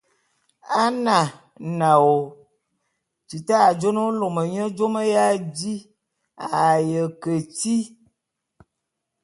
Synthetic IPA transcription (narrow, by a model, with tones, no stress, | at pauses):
a˦na˨ | na˨wo˨ | t͡ʃi˨taː˦˨d͡ʒo˦no˦lo˨mə˨ɲə˦d͡ʒo˦mə˦ja˦d͡ʒi˦ | a˨jə˨kə˨ti˦